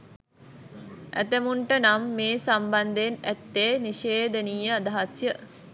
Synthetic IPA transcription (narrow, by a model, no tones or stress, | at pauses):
ʔæ̰t̪əmuɳʈənamːeːsamband̪enæt̪ːeːniʃeːd̪əniːəad̪aɦasjə